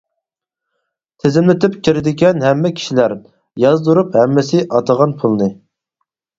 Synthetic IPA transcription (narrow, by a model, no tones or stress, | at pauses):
t̪ʰezɪmlɪt̪ʰɪpkʲʰiɾɪd̪ɪɡʲɛnɦɛmːɛkʲʰi̥ʃilæɾ | jɑzd̪uɾuphɛmːɪsɪʔɑt̪ʰəʁɑnpʰulˠnɨ